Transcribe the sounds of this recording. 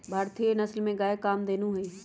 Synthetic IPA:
bʱaːɾt̪ijenɐslmẽɡaːjekːaːmd̪eːnuɦoi

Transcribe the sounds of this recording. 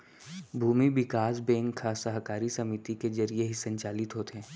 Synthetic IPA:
bʱuːmiʋɪkaːs̬bẽːŋkkʰːasəɦkaːɾisɐmɪt̪ikezɐɾieɦisɐ̃ɲt͡ʃaːlɪt̪ɦoːt̪eɦɛ̃ː

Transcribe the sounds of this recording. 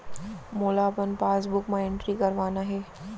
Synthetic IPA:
moːlaːbɐnpaːs̬bʊkmãɪɳʈɾikɐɾʋaːnaɦeː

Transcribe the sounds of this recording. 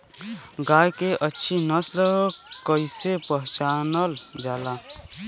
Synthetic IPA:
ɡaːjkeʔətːʃʰinəslkəɪsepəɦt͡ʃaːnəld͡ʒaːla

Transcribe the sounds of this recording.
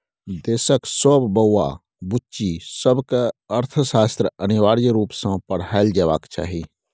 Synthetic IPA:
d̪eːsəksoːbbəːa̰ | bʊt͡ʃisəbkeəɾt̪ʰʃaːst̪ɾəənɪʋaːɾjɾuːpsãpəɽɦaːɪld͡ʒəʋaːkt͡ʃa̰ːɦiː

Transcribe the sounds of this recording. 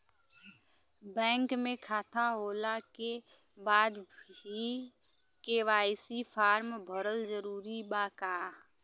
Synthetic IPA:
bɛ̃ːŋkmẽkʰaːt̪ʰaɦoːlake | baːd̪bʱi | keʋaːɪsipʰaːɾmbʱəɾəld͡ʒəɾuːɾibaːkaː

